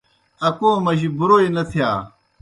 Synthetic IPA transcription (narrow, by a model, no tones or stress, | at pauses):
ɐkoːmɐʑibuɾoːinɐt̪ʰijaː